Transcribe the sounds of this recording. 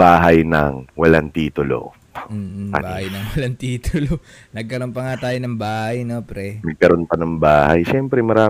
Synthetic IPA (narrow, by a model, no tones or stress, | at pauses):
baːɦɐjnɐ̰ŋwɐlant̪iːt̪ʊlo̰ː | ʔɐ̰baːhɐjnɐŋwɐlant̪iːt̪ʊlo | nɐɡ̚kɐɾo̞npɐŋat̪aːjonɐŋbaːhɐjnopɾɛnɐɡ̚kɐɾonpɐnɐŋbaːhɐjʃɛmpɾɛmɐɾaː